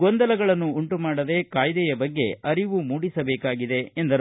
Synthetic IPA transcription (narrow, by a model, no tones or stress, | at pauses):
ɡɔnd̪ɐlɐɡɐɭɐnːuːɳʈumaːɽɐd̪e̞kaːjd̪ɛjɐbɐɡːe̞ɐɾiʋumuːɽisɐbɛːkaːɡid̪e̞ːnd̪ɐɾ